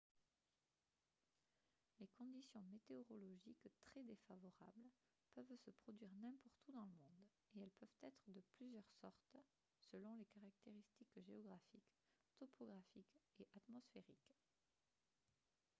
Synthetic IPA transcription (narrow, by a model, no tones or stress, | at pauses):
lekɔ̃d̪isjɔ̃met̪eɔʁɔlɔʒikt̪χɛd̪efavɔʁa̰bl | pœvsəpχɔd̪ɥiʁnɛ̃pɔʁt̪ud̪ɑ̃ləmɔ̃d̪ | eɛlpœvt̪ɛt̪χəd̪əplyzjœʁsɔʁt̪ | səlɔ̃lekaʁak̚t̪eʁist̪ikʒeɔɡʁafik | t̪ɔpʰɔɡʁafikeʔat̪mɔsfeʁik